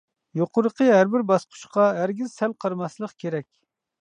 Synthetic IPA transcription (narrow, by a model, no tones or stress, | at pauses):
joqʰʊɾəqʰəɦæɾbɪɾbɑsqʰʊ̥ʃqʰɑæɾɡʲizsælqʰɑɾmɑslˠəqkʲʰeɾɛkʲ